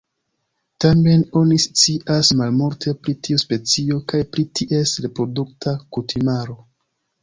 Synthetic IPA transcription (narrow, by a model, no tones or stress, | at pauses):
tame̞no̞nist͡siʔasmalmuɾtʰe̞pɾitiuspe̞t͡sio̞kajpɾitʰiʔe̞stɾe̞pɾo̞duktʰakutʰimaɾo̞